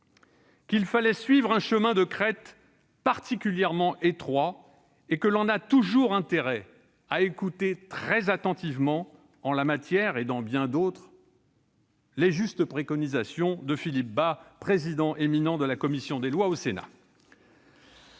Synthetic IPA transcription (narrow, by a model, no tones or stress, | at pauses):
kʲilfalɛsɥivʁɛ̃ʃəmɛ̃d̪əkχɛt̪ | paʁt̪ikʲyljɛʁmɑ̃ʔet̪χwa | ekəlɔ̃nat̪uʒuʁɛ̃t̪eʁɛ | aekut̪et̪χɛzat̪ɑ̃t̪ivmɑ̃ | ɑ̃lamat̪jɛʁed̪ɑ̃bjɛ̃d̪ot̪χ | leʒyst̪əpχekɔnizasjɔ̃d̪əfilip̚bapχezid̪ɑ̃ʔeminɑ̃d̪əlakɔmisjɔ̃d̪elwaosena̰